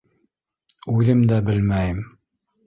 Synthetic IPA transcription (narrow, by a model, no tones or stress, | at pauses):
ʉðɘmd̪æbɘlmæjɘm